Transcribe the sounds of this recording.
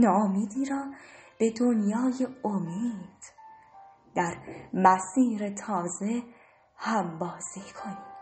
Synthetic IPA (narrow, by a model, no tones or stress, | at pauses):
nɒːomiːd̪iːɾɒːb̥e̞d̪onjɒːje̞omiːd̪̥ | d̪̥æɾmæsiːɾe̞t̪ʰɒːze̞ | hæmbɒːz̥iːkʰo̞niːm